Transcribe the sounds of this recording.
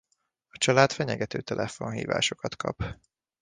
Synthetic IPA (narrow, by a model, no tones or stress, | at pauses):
ɒt͡ʃɒlaːt̪fɛɲɛɡɛt̪øːt̪ɛlʔɛfonɦḭːva̰ːʃo̞kɒt̪kʰɒ̰p